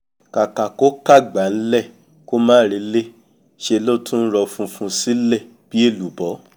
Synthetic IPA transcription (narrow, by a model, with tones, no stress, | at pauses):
ka˨ka˨ko˦ka˦˨ɡ͡ba˨n̩˦lɛ˦˨ | ko˦mãː˦ɾi˧˦le˦ | ʃe˧lo˦tʰũ˦n̩˦ɾɔ˧fũ˧fũ˧si˦lɛ˦˨ | b̥i˦e˦˨lu˨bɔ˨˦